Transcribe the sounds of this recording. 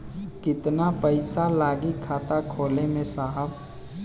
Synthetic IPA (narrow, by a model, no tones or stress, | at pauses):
kɪt̪napəɪsalaːɡikʰaːt̪akʰoːlemẽsaːɦəb